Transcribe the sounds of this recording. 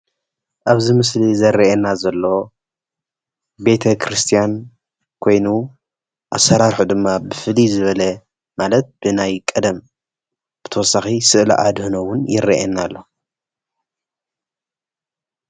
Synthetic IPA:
ʔaβzɨmɨslizɐɾiʔenazɐlːo | be̞t̪ʰɐkʰɾɨst̪ʰijan | kʰo̞jnu | ʔasːɐɾaɾħud̪ɨmːabɨfɨlizɨβɐlɐ | malɐt̪̚b̥ɨnajkʼɐd̪ɐm | b̥ɨt̪ʰɐwɔsaxisɨʔlḭʔad̪hɨnowʊnjɪɾːiʔḛnːalːo

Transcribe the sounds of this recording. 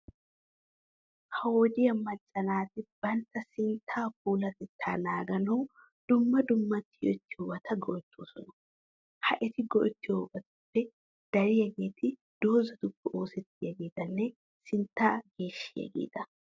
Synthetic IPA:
hɐwoːd͡ʒɪjɐmɐt͡ʃʼːɐnaːt̪ɪbɐnt̪ːɐsɪnt̪ʰːaːp̚uːlɐt̪ɛt̪ʰːa̰ːnaːɡɐnɐw | d̪̥ʊmːɐd̪ʊmːɐt̪ːɪjɔ̰t̪ːɪjoːbɐt̪ʰɐɡɔʔɔt͡ʃːoːsɔnɐ | hɐʔɛt̪ɪɡɔʔɪt̪ːɪjoːbɐt̪ʊpːɛ | d̪̥ɐɾɪjɐɡeːt̪ɪ | d̪̥o̞ːzɐt̪ʊpːɛo̞ːsɛt̪ːɪjɐɡeːt̪ɐnːɛ | sɪnt̪ːaːɡe̞ːʃːɪjɐ̰ɡḛːt̪ɐ

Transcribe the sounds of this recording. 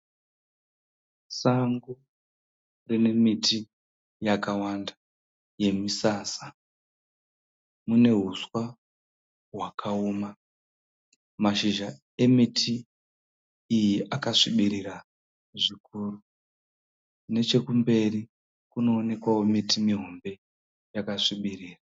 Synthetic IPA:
saŋɡu | rine̞mitʰi | jakawanda | je̞misaːsḁ | mune̞ɦuswa | ɦwakʰaoːma | maʃiʒa | e̞mitʰi | jiʔakaʂiɓiɾira | ʐikuru | ne̞t͡ʃe̞kumbe̞ri | kuno̞ːne̞kwawo̞mitimiɦo̞mbe̞ | jakaʂiɓiriːra

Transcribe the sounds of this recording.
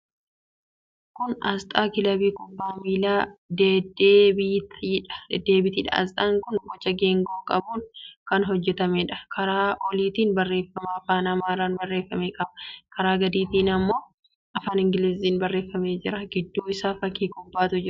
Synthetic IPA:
kʊnɐst̪ʼaːkɪlɐbiːkʼɔbːaːmiːlaːd̪ed̪ebiːt̪ːᶑɐ̥d̪e̞ːbɪt̪ɪᶑɐ̰ɐ̰st̪ʼɐŋkʊnɡɔt͡ʃːɐɡeːŋɡoːkʼɐbuːnkɐnɦɔd͡ʒːɛt̪ɐmeːᶑɐ̥kɐɾaːɔliːt̪iːnbɐrːe̞ːfːɐmaːfaːnɐmaːɾaːnbɐrːe̞ːfːɐmeːkʼɐbɐ̥kɐɾaːɡɐd̪iːt̪iːnɐmːo̞ː | ɐfaːnɪŋɡɪlɪziːnbɐrːe̞ːfːɐme̞ːd͡ʒɪɾɐɡɪd̪ːuːɪsaːfɐkːiːkʼɔbːaːt̪ʊd͡ʒɪɾ

